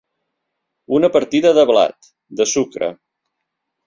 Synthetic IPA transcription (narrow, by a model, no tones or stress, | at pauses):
unəpəɾt̪iðəðəβla̰t̪ | d̪əsukɾə̰